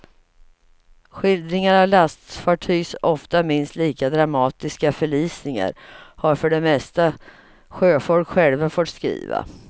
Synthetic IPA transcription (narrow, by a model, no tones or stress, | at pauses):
ɧɪld̪ɾɪŋaɾavlast̪faʈʰyːsɔft̪amɪnst̪liːkad̪ɾamɑːt̪ɪskafœɭiːsnɪŋa̰ɾhaɾfœɖɛmɛst̪a | ɧøːfɔlkɧɛlvafɔːt̪skɾḭːva̰